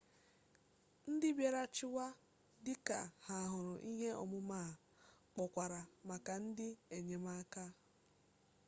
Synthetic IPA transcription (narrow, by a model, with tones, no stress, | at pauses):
n̩˦dɪ˦bje˨ɾa˦t͡ʃɪ˦wa˦ | dɪ˦ka˨ha˨ɦʊ˨ɾʊ˨ʔi˦ɦe˦ɔ̰˨mʊ˦maː˦˨ | k͡pɔ˨kʷa˨ɾa˨ma˨ka˨n̩˦dɪ˦e˨ɲe˨ma˦ka˦